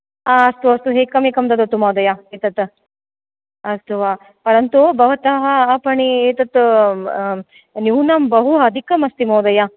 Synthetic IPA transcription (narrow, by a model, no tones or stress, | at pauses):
aːɐst̪uɐst̪uɦeːkɐmekɐmd̪ɐd̪ɐt̪ːumɐːd̪ɐjaeːt̪ɐt̪ | ɐst̪ʰuʋaː | pɐɾɐnt̪ubɐʋɐt̪ɐɦɐpɐɳieːt̪ɐt̪ | njuːnɐmbɐɦuɐd̪ʱikɐmɐst̪imoːd̪ɐja